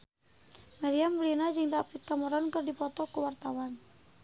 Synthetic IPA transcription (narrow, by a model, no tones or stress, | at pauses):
maɾiamblinad͡ʒɨŋdapɪt̪̚kamɔɾɔnkɨrdipɔt̪ɔkuwart̪awan